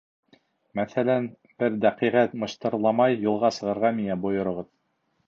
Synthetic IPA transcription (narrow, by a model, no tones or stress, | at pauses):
mæθælæn | b̥ɘɾd̪æqiʁæt̪mɤ̆ʃt̪ɤ̆ɾlˠɑmɑjːŭlˠʁɑsɤ̆ʁɤ̆ɾʁɑmiŋæbŏjŏɾŏʁɤð